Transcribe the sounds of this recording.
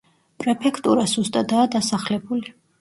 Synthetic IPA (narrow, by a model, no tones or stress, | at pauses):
pʼɾɛpʰɛkʰt̪ʼuɾasust̪ʼad̪aːd̪asaχlɛbuli